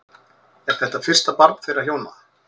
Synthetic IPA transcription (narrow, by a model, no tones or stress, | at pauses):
ɛɾ̥θɛht̪afɪr̥st̪apaɾt̪θejɾaçjoːwna